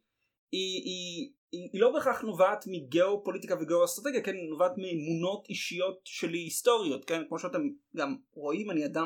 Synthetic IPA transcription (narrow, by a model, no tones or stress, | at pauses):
ii | iːlo̞beχaχnovaːtmiɡeo̞po̞litikaveɡeoastʁate̞ɡijakenːovaːtmiemuno̞tiʃijo̞tʃe̞liisto̞ʁijo̞tke̞nkmo̞ʃeate̞mɡamʁo̞imaniada